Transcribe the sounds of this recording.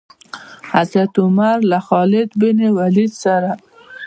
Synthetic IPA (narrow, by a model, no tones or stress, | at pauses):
hazɾat̪ʊmaɾlaxɑlɪd̪bɪnewalid̪saɾa